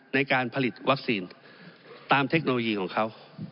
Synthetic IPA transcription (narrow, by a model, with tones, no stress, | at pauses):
na˧jkaː˧npʰa˧li˨˩t̪̚wa˦˥k̚siː˧n | t̪aː˧mt̪ʰe˦˥k̚noː˧loː˧jiː˧kʰɔː˩˦ŋkʰa˦˥w